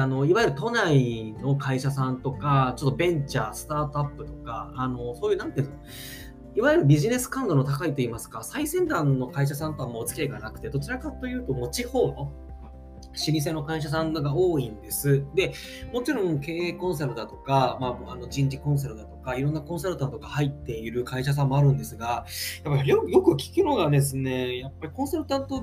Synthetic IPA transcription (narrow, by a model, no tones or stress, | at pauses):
ano̞iβaeɾɯ̟t̪o̞naino̞kaiɕas̬ãnt̪o̞kat͡ɕo̞t̪ːobẽ̞ɲt͡ɕaːsɨ̥t̪aːt̪oapːɯ̟t̪o̞̥kaːno̞so̞ːjɯ̟ːnãnt̪eo | iβaieɾɯ̟bʲiʑine̞sɨ̥kãnd̪o̞no̞t̪akait̪o̞iːmasɨ̥kasaisẽ̞nd̪ãnːo̞kaiɕ̬asãnt̪o̞βamoːt͡sɨ̥kʲieɡanakɯ̟t̪e̞d̪o̞t͡ɕiɾakat̪o̞jɯ̟ːt̪o̞mo̞t͡ɕiho̞ːno̞ | ɕiɾʲis̬e̞no̞kaiɕ̬as̬ãŋɡao̞ːĩnd̪e̞sɨd̪e̞ | mo̞t͡ɕiɾõ̞ŋke̞ːkõ̞ɰ̃s̬aɾɯ̟d̪at̪o̞kamaano̞d͡ʑĩɲ̟d͡ʑikõ̞ɰ̃s̬aɾɯ̟d̪at̪o̞kaiɾõ̞nːakõ̞ɰ̃saɾɯ̟t̪ãnt̪oɡahait̪ːe̞iɾɯ̟kaiɕas̬ãmːo̞aɾɯ̟̃nd̪e̞sɨɡajapːaojo̞kɯ̟kʲi̥kɯno̞ɡad̪e̞s̬ɨne̞japːaɾʲikõ̞ɰ̃saɾɯ̟t̪ãnt̪o